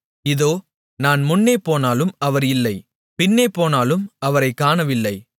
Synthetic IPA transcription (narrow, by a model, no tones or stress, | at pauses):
ɪðoː | naːnmʊnːeːpːoːnaːlɯmɐʋɐɾɪlːɐɪ | pɪnːeːpːoːnaːlɯmɐʋɐɾɐɪkːaːnɐʋɪlːɐɪ